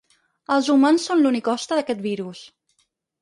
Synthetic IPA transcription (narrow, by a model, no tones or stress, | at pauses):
əlˠzumansːonlunikɔst̪əðəkɛt̪̚biɾus